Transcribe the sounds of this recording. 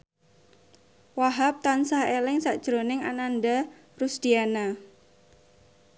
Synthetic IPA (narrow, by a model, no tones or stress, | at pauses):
waɦap̚t̪ansahelɪŋsaʔd̥ʒ̥ɾonɪŋananɖa | rusd̪̥iana